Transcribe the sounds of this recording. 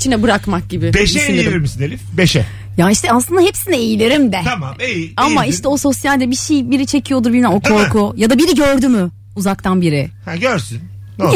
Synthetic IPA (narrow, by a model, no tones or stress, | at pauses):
t͡ʃʰinɛbɯɾakmak̚ɟibɪbeʃɛinelɾʲiɾmisinelʲifbeʃɛ | jaiʃt̪ʰɛaslˠɯnaɦepsinɛejilʲeɾimd̪ɛamaejiamaiʃt̪ɛo̞so̞sjalʲd̪ɛbiʃejbiɾit͡ʃʰe̞cʰijo̞d̪uɾbilʲmao̞kʰo̞ɾkʰujad̪abiɾiɟøɾd̪ymy | uzak̚t̪ʰanbiɾɪhæɟøɾsyn | o